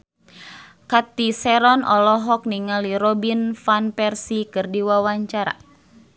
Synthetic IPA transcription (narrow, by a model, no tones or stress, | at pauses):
kat̪isɛɾɔnɔ̰lɔɦɔk̚niŋaliɾɔbinfanpɛrsikɨrdiwawaɲt͡ʃaɾa̰